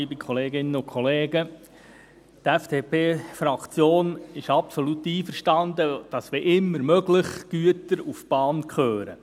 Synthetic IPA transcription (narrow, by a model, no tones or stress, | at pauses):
iːbikʰχɔleːɡɪnːənʊnkʰχɔleːɡə | t̪ɛfdeːpeːfɾɑkt͡sjoːnɪʃɑpsolut̪ːiːfəɾʃtɑnd̪əd̥ɑsʋeʔɪmːəɾmœɡlɪχɡ̥yətəɾufb̥ɑːnkχøːɾə̰